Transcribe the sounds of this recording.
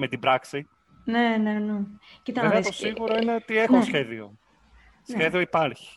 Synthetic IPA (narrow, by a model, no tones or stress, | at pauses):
met̪ibɾɐksi | nenenecit̪ɐeveɐt̪osiɣuɾo̞ineot̪ie̞xosçe̞ðio̞̰ | sçe̞ðio̞ipɐɾçi̥